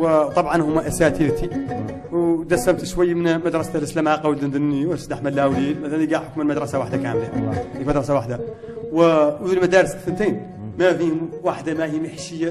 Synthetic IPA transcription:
wət̪ˤɑbʕɑnhʊmːaʔæsat̪ilt̪i | wd̪æsæmt̪ʃwæjːmənməd̪ɾˤɑst̪ələslæmʕaqɑwld̪ənd̪ənːiwsd̪aħmælːæwlid̪mæt̪ælænjɡaʕħʊkməlməd̪ɾˤɑsawaħd̪akæmlanikmæd̪ɾˤɑsawaħd̪a | wəðulmæd̪æɾəsθənt̪en | mæfihʊmwaħd̪amæhiməħʃəjːa

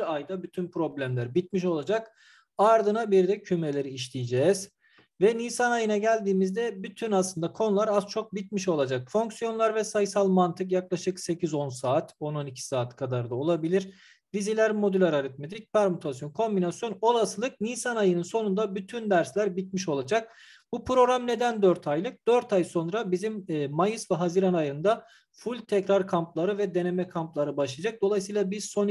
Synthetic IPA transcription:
iɾajd̪abyt̪ʰynpɾo̞blʲæmlʲæɾbit̪̚miʃo̞lˠad͡ʒak | aɾd̪ɯnabiɾd̪ɛcʰyme̞lʲe̞ɾiːʃlʲijd͡ʒɛːz̥ | vɛniːsanajɯnaɟælʲd̪iːmizd̪ɛbyt̪ʰynaslˠɯnd̪akʰo̞nulˠaɾaz̥t͡ʃʰo̞k̚bit̪̚miʃo̞lˠad͡ʒak̚fo̞ŋksijo̞nlˠaɾvɛsajsalˠmant̪ʰɯk̬jaklˠaʃɯkse̞cʰizo̞nsaːt̪o̞no̞nicʰi̥saːt̪kʰad̪aɾd̪ao̞lˠabilʲiɾ̥ | vizilʲæɾmo̞d̪ylʲaɾaɾɛt̪̚med̪ɾic̚pæɾmut̪ʰasjo̞nkʰo̞mbinasjo̞no̞lˠasɯlˠɯk̚niːsanajɯnɯnso̞nund̪abyt̪ʰynd̪æɾslʲæɾbit̪̚miʃo̞lˠad͡ʒak̚ | bupɾo̞ɾamne̞d̪ænd̪øɾt̪ʰajlˠɯk̚d̪̥øɾt̪ʰajso̞nɾabizimːmːajɯsvɛɦaziɾanajɯnd̪a | fulʲt̪ʰɛcɾaɾkʰamplˠaɾɯvɛd̪e̞ne̞mɛkʰamplˠaɾɯbaʃlˠijad͡ʒak̚d̪o̞lˠajsɯjlˠabizso̞n

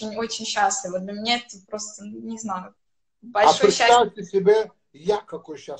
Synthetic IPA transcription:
ɪnʲo̞t͡ɕɪnʲɕːaslʲɪvəd̪bʲlʲəmʲnʲeɛt̪əpɾo̞st̪ənnʲɪznajʊ | bɐlʲaʂoɾjɪɕːt̪afʲtʲɪsʲɪbʲe | jakːɐkojɕːa

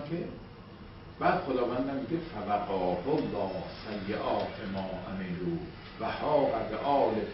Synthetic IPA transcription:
kʰe | b̥æːd̪̥xod̪ɒːvænd̪æmmiɡefævæqɒːbolːɒːhsæjːeʔɒːt̪ʰemɒːʔæmeːluː | væhɒːʔæ̰d̪ʔɒːle

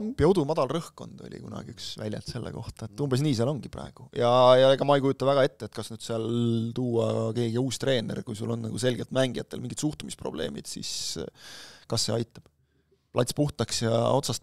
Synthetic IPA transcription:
piɑud̪umɑd̪̥ɑlrɤhko̞nd̪̥o̞̰lʲḭkunɑ̰ɡ̥iyksvæ̰lʲjɑ̰lt̪se̞lːḛko̞̰ht̪ɑet̪ːumbres̬niːseɑlo̞ŋɡ̥iprɑ̰eɡ̥ujɑjɑeɡ̥ɑmɑejkujut̪ːˑɑvæɡ̥ɑe̞t̪ːeet̪kɑsnyd̪̥seɑlt̪uːɑke̞ːɡiuːst̪re̞ːne̞̰rkujsulo̞nːɑ̰ɡ̥use̞lɡ̥elt̪mæŋɡiɑ̰t̪ːˑelmiŋɡ̥it̪suht̪umispro̞̰b̥le̞̰ːmid̪̥sḭs | kɑsːe̞ɑjt̪ːˑɑb̥ | plʔɑt̪ʲspuht̪ɑksjɑ̰o̞t̪sɑst̪

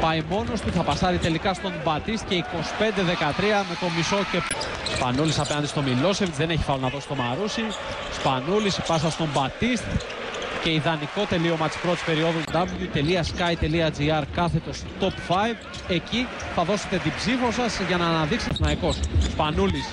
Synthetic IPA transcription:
pɐjmo̞no̞st̪uθɐpɐsɐɾit̪e̞likɐst̪o̞mbɐt̪ist̪̚ce̞iko̞si̥pe̞nd̪e̞ðe̞kɐt̪ɾiɐme̞t̪o̞miso̞ce̞ | spɐ̰nulisɐpe̞nɐnd̪ist̪o̞milo̞sevit̪sðe̞neçi̥fɐlonɐðo̞si̥t̪o̞mɐɾusi | spɐnulispɐsɐst̪o̞mbɐt̪ist̪ | ce̞iðɐniko̞t̪e̞lio̞mɐt̪i̥spɾo̞t̪i̥spe̞ɾioðud̪ɐvljut̪e̞liɐskɐjt̪e̞liɐd͡ziɐɾkɐθe̞t̪o̞st̪o̞pfɐjv | e̞ci | θɐðo̞se̞t̪et̪ibzifo̞sɐsʝɐnɐːnɐðikset̪nɐiko̞sspɐnulis

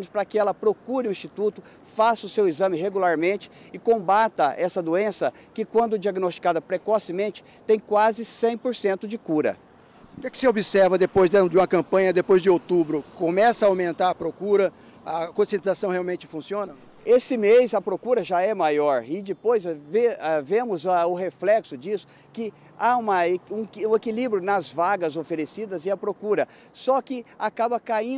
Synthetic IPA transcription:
mʊspɾɐkɪɛlɐpɾokuɾɪʊ̃ĩst͡ʃit̪ut̪ʊ | fasɐʊsewizɐ̃mɪɦeɡulaɾmẽnt͡ʃɪ̥ | ɪkõbat̪ɐʔɛsɐd̪uẽsɐ | kɪkwɐ̃nd̪ʊd͡ʒiaɡinost͡ʃi̥kad̪ɐpɾekɔsɪmẽnt͡ʃɪ̥t̪ẽj̃kwazɪsẽj̃poɾsẽnt̪ʊd͡ʒɪkuɾɐ̰ | ʊkɛkɪ̥sɪobisɛɾvɐd̪epojzd̪d͡ʒɪũmɐkɐ̃mpɐ̃ɲɐd̪epojzd͡ʒɪowt̪ubɾʊkõmɛsɐaawmẽnt̪aɾɐpɾokuɾɐ | ɐkõsiẽnt̪izasɐ̃w̃heawmẽnt͡ʃɪ̥fũsiõnɐ | esɪmejzɐpɾokuɾɐʒaɛmajɔɾɪd͡ʒɪpojzvɛvẽmʊzɐʊɦeflɛksʊd͡ʒisʊ̥ | kɪ | aũmɐũũekilibɾjʊnɐzvaɡɐzofeɾesid̪ɐzɪɐpɾokuɾɐ | sɔkɪakabɐkaĩ

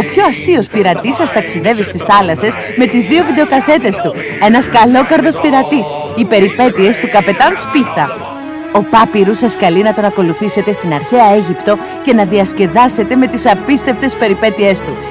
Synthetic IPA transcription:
o̞pço̞ɐst̪io̞spiɾɐt̪isɐst̪ɐksiðe̞vist̪isθɐlɐse̞z | me̞t̪izðio̞vid̪e̞okɐse̞t̪e̞st̪u | e̞nɐskɐlo̞kɐɾðo̞spiɾɐt̪is | ipe̞ɾipe̞t̪ie̞st̪ukɐpe̞t̪ɐnspiθɐ | o̞pɐpiɾusɐskɐlinɐt̪o̞nɐko̞luθise̞t̪e̞st̪inɐɾçeɐe̞ʝipt̪o̞ | ce̞nɐðiɐsce̞ðɐse̞t̪e̞me̞t̪isɐpist̪e̞ft̪e̞spe̞ɾipe̞t̪ie̞st̪u

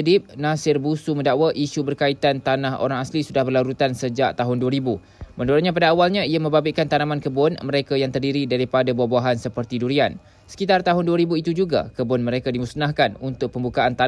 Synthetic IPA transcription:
ədɪp̚nãsɪrbusumə̃ndaʔwaʔiʃubərkait̪ant̪anaɦo̰ɾaŋaslisudahbərlaɾut̪ansəd͡ʒaʔt̪aɦʊnduaɾibu | mə̃nduɾaɲãpadaːwalɲãiamə̃mbabɪʔkant̪anamãnkəbʊnmə̃ɾekajaŋt̪ərdiɾidaɾipadabuahbuaɦansəpərt̪iduɾian | sə̥kit̪art̪aɦʊnduaɾibuit̪ud͡ʒuɡa̰kəbʊnmə̃ɾekadimusnahkanunt̪ʊk̚pəmbukaant̪a

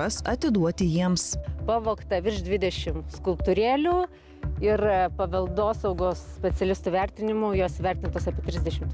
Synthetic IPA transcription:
ɐsɐt̪ʲɪd̪uɔt̪ʲɪjiɛmspɐʋoːkt̪ɐʋʲɪɾʃd̪ʲʋʲɪd̪ʲɛʃʲɪmskʊlˠpt̪ʊɾʲeːlʲuː | ɪrpɐʋʲɐlˠd̪oːsɐʊɡoːssʲpʲɛt̪sʲɛlʲɪst̪uʋʲæɾʲt̪ʲɪnʲɪmuːjoːsʋʲɛɾʲt̪ʲɪnt̪oːsɐpʲiɛt̪ʲɾʲɪzd̪ʲɛʃʲɪm

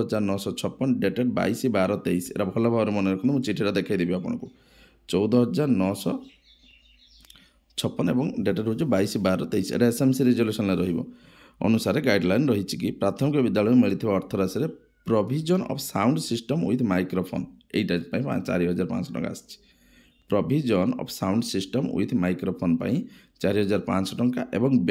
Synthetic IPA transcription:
ɦɔd͡ʒaɾnɔsɔt͡ʃʰɔpːɔnɔɖeʈeʈba̰jsibaɾɔt̪eisḛɾabʱɔlabʱabɔɾemɔneɾɔkʰɔnt̪ɔmũt͡ʃiʈʰiɾɔd̪ekʰajd̪ebibapɔɽ̃ɔ̰̃ŋku | t͡ʃɔwd̪ɔɦɔd͡ʒaɾnɔsɔ | t͡ʃʰɔpːɔnebɔŋɖeʈaɾɦud͡ʒubaisibaɾɔt̪eisḛɾaesemsiɾed͡ʒolesɔnlaɾɔɦibɔ̰ | ɔ̰nusaɾeɡajɖlajnɾɔɦit͡ʃʰikipɾat̪ʰɔmikɔbid̪jaɭɔjɔmiɭit̪ʰibaɔɾt̪ʰɔɾasɔɾe | pɾɔbʱid͡ʒɔnɔ̰pʰsawɳɖsisʈɔmṵjt̪ʰmajkɾopʰo̰nḛjʈad͡ʒpaĩpa̰t͡ʃa̰ɾiɦɔd͡ʒaɾpã̰nsɔʈɔ̰ŋka̰ːsi̥t͡ʃʰi̥ | pɾɔbʱid͡ʒɔnɔ̰pʰsawɳɖsisʈɔmṵjt̪ʰmajkɾopʰonpa̰ĩ | t͡ʃaɾiɦɔd͡ʒaɾpansɔʈɔŋkaʔḛbɔŋ

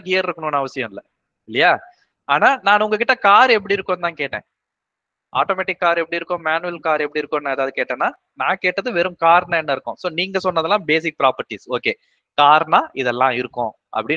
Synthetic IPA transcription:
ɦɪjɐɾɪɾɯkːɐnoːnɐɐʋɐsɪjɐ̃mɪlːɐ | ɪlːɐjaː | aːnaːnãːnʊŋɡɐkɪʈːɐkaːɾɛp̬ːɐɽiɪɾɯkːõnt̪ãːkeːʈːḛ̃ː | ʔa̰ːʈoːmɛːʈɪkːaːɾɛpːɐɽiɪɾɯkːʊ̃maːnɯʋɛlkaːɾɛpːɐɽiɪɾɯkːõnːãːɛðaːʋɯðɯkeːʈːẽːnːaː | nãːkeːʈːɐðɯʋɛɾɯmkaːɾnaɛnːɐɪɾɯkːʊ̃soːniːŋɡɐsɔnːɐðɛlːãːbeːsɪk̚pɪɾaːpɐɾʈːisoːkeː | kaːɾnaːʔɪðɛlːã̰ːɪɾɯkːõ̰ː | ʔɐ̰pːɐɽɪ

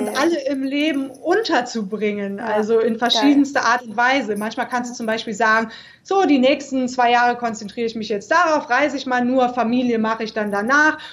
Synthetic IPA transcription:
ʔʊntʔaləɪmleːbm̩ʔʊntɐt͡subʁɪŋənʔa̰lzoɪnfɛɐʃiːdn̩stəʔaːɐtʊntv̥aɪzəmançmaːlkʰanstd̥uːt͡sʊmbaɪʃpiːlzaːɡŋ̩ | z̥oːdiːnɛːkstn̩t͡sv̥aɪjaːʁəkʰɔnt͡sɛntʁ̥iːʁəɪçmɪçjɛt͡std̥aʁaʊfʁaɪzəɪçmaːlnuːɐfamiːljəmaχəɪçd̥andanaːχ

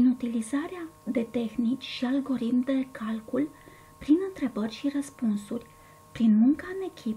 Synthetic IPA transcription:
pɾinut̪ilizaɾead̪e̞t̪e̞xnit͡ʃʲʃialɡo̞ɾit̪md̪e̞kalkul | pɾinɨnt̪ɾe̞bərʲʃirəspunsurʲ | pɾinmuŋkaɨne̞kʲʰip

